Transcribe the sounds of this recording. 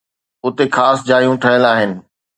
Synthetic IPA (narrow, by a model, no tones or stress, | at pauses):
ʊt̪exaːsd͡ʑaːɾijũʈʰɐɦəlaːɦɪnɪ̆